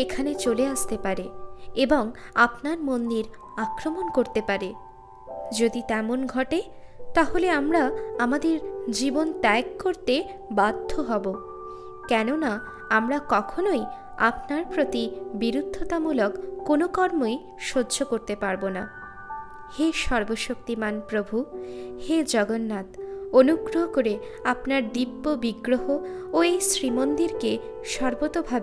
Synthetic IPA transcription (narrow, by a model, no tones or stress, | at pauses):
ekʰanet͡ɕoleast̪epaɾeeboŋapnaɾmond̪iɾ | akɾomonkoɾt̪epaɾe | d͡ʑod̪it̪ɛmonɡʱɔʈe | t̪aɦoleamɾaamad̪eɾd͡ʑibont̪ɛkːoɾt̪e | bad̪ʱːoɦɔbo | kɛnona | amɾakɔkʰonoj | a̰pnaɾpɾot̪ibiɾud̪ʱːot̪amulokːonokɔɾmoj | ʃodːd͡ʑokoɾt̪epaɾbona | heʃɔɾboʃokt̪imanpɾobʱuhed͡ʑɔɡonːat̪onuɡɾoɦokoɾeapnaɾd̪ibːobiɡɾoɦooejsɾimond̪iɾke | ʃɔɾbot̪obʱabe